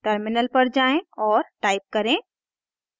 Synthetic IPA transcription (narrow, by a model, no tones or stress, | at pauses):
ʈəɾmɪnəlpɐɾd͡ʒaːẽɔːɾʈaːɪp̚kɐɾẽ